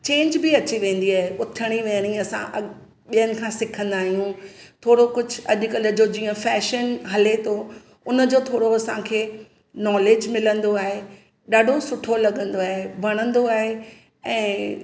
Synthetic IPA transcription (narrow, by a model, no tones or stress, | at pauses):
t͡ɕẽːɲd͡ʑbɪɐt͡ɕiʋẽːn̆d̪iaːɦeʊt̪ʰəɽ̃iʋẽːɽ̃ĩɐsã̰ʔɐ | ɓijənɪ̆kʰãːsɪkʰə̃nd̪aːɦijũt̪ʰoːɽokʊd͡ʑʱɐʄʊkɐləd͡ʑod͡ʑĩːə̃fɛːʃənɦɐlet̪ʰo | ʊnəd͡ʑoːt̪ʰoːɽoɐsãkʰeː | nɔːleːd͡ʑmɪlə̃nd̪oaːɦe | ɗaːɖʱosʊʈʰolɐɠə̃nd̪oaːɦebʱɐɽ̃ə̃nd̪oaːɦe | ɛ̃ː